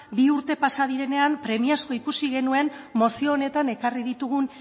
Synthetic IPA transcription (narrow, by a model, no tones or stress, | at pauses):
biuɾt̪e̞pasað̞iɾe̞ne̞ampɾe̞miasko̞ikusiɣe̞nue̞nmo̞sio̞ːne̞t̪ane̞karið̞it̪uɣ̞un